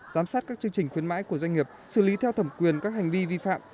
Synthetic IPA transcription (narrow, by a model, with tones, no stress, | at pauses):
zaː˨˦msaː˦˥t̚kaː˥k̚t͡ɕɨ˧əŋt͡ɕï˨˩ŋ̟xwi˨˦ənma̰ː˧˥jku˧˩əza˧jŋ̟ŋi˨˩əp̚sɨ̰˧˩li˨˦t̪ʰɛ˧wt̪ʰə˧˩mkwi˨˩ənkaː˦˥k̚ha˨˩jŋ̟vi˧vi˧fa̰ː˧˨m